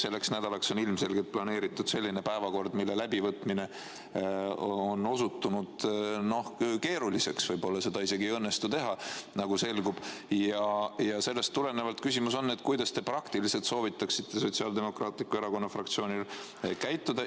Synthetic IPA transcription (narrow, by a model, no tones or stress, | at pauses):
se̞lːe̞ksnæd̪̥ɑlɑkso̞nilmse̞lɡet̪̚plɑne̞ːɾit̪ːˑud̪̥se̞lːine̞pæevɑko̞rd̪̥milːe̞læbivɤt̪ˑmine̞ | oo̞no̞sut̪ːunud̪̥no̞hke̞ːɾulise̞ksvɤjbo̞lːɑse̞d̪ɑise̞ɡiɤnːe̞st̪ut̪e̞ɦɑnɑɡ̥use̞lɡub̥jɑjɑse̞lːe̞st̪ːuɾe̞nevɑlt̪kysimuso̞nːe̞t̪ːˑkujd̪̥ɑst̪e̞prɑkt̪ilise̞lt̪so̞ːvit̪ːˑɑksit̪ːe̞so̞t̪siɑld̪e̞mo̞krɑːt̪likːue̞ɾɑko̞nːɑfrɑk̚t̪sio̞ːnil | kæjt̪ːˑud̪̥ɑ